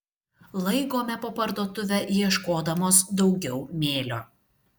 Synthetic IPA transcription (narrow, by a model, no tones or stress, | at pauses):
lˠɐɪɡoːmʲɛpopɐɾd̪oːt̪ʊʋʲɛjiɛʃkoːd̪ɐmoːsd̪ɒʊɡʲɛʊmʲeːlʲoː